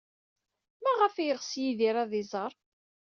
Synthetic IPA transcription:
mæʁəfijəʁsjiðiɾæðɪzˤəɾˤ

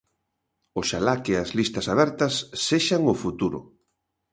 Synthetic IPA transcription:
ʊʃalakeazlist̪ɐsaβ̞ɛɾt̪ɐsːeʃaŋʊfut̪uɾʊ̰

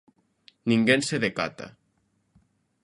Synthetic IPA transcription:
niŋɡenseðeka̰t̪a̰

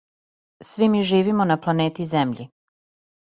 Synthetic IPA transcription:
sʋimiʒiːʋimonaplˠaneːt̪izemʎḭ

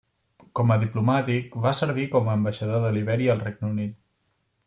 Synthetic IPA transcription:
kɔməðiplumat̪ikβasəɾβikɔməːmbəʃəðoðəliβɛɾiəlˠrɛɡ̚nəunit̪̚

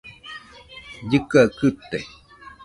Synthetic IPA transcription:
jɨkakɨt̪ːe

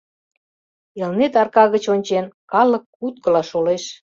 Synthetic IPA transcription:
elnet̪ɑrkɑɣət͡ɕonʲt͡ɕenkɑlə̆kːut̪̚kə̆lɑʃoleʃ

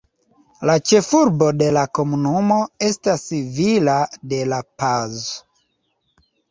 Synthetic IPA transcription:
lat͡ʃe̞fuɾbo̞de̞lako̞munumo̞e̞stasivilade̞lapazo

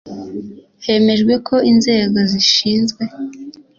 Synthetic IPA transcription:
he̞me̞ʒɡwe̞kʰo̞ʔinze̞ːɡo̞ziʃiːnzɡwe̞

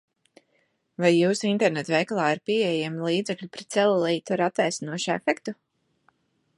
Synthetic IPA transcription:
vajːuːsint̪ɛɾnɛt̪vɛjklˠaːaɾpiɛjeɛmlˠiːd̪zɛklʲupɾɛt̪z̥ɛlˠlˠiːt̪ɔɾat̪ːajsnuɔʃɛ̰fɛkt̪u

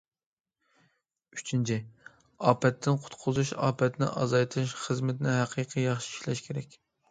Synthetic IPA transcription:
yt͡ʃʰint͡ʃʰi | ɑːpɛt̪ʰːɪnqʰʊ̥t̪qʰʊzuʃɑ̰ːpʰɛt̪nɪ̰ʔɑzɑjt̪ʰɨʃχəzmɪt̪nɪɦæqʰiːqʰɨjɑχʃi̥i̥ʃlɛʃkʲʰeɾɛkʲ

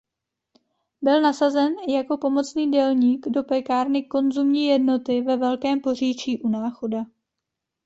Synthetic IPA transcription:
bɪlnasazɛnjako̞po̞mo̞t͡sniːdɛlɲiːɡdo̞pɛkaːɾnɪko̞nzumɲiːjɛdno̞t̪ɪvɛvɛlkɛːmpo̞r̝iːt͡ʃiːʔunaːxo̞da

